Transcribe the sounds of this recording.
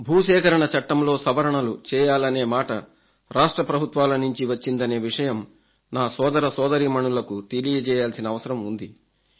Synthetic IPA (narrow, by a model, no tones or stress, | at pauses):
bʱuːʃɛːkɐɾɐɳɐt͡ʃɐʈːɐmlo̞ːsɐbɐɾɐɳɐlut͡ʃɛːjaːlɐne̞ːmaːʈɐ | ɾaːʂʈɾɐpɾɐbʱut̪ʋaːlɐnuɲt͡ʃiʋɐt͡ʃːind̪ɐne̞ːʋiʂɐjɐm | naːsɔːd̪ɐɾɐsɔːd̪ɐɾimɐɳulɐkut̪e̞lijɐt͡ʃɛːjaːlsinɐːʋɐsɐɾɐmund̪i